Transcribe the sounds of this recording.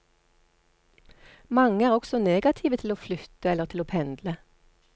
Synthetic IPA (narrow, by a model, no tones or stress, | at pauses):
mɑŋəæːʁɔksɔneːɡɑt̪ʰiːʋət̪ʰɪloːflʏt̪əɛləʁt̪ʰɪloːpʰɛnd̪lə